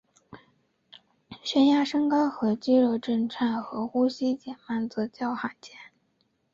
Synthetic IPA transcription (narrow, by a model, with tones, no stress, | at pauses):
ɕɥɛ˥nja˥ʂɤ˥ŋkɑ˥xɤ˧˥t͡ɕi˥ɻo˥˧ʊʈ͡ʂə˥˧nʈ͡ʂʰa˥˩nxɤ˧˥xu˥ɕi˥t͡ɕjɛ˨˩nma˥˩nt͡s̩˥˧t͡ɕjɑ˥˩ʊxa˨˩ɪt͡ɕjɛ˧˥n